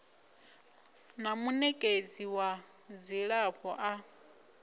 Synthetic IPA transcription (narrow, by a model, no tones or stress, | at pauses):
namunɛkʼed͡ziwa | d͡zʷiɺapʰɔʔa